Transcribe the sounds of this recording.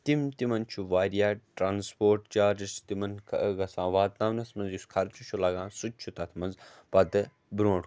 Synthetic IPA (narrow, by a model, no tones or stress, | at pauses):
t̪imt̪imɐnt͡ʃʰuʋaːɾijaːʈɾaːnspoːɾʈt͡ʃaːɾist̪imɐnkʰɡɐsãːʋaːd̪naʋnɐsmɐnzjuskʰɐɾt͡ʃʰut͡ʃʰulɐɡãːnsut͡ʃʰut̪ɐt̪ʰmɐnzpɐd̪ɨ | bɾõːʈ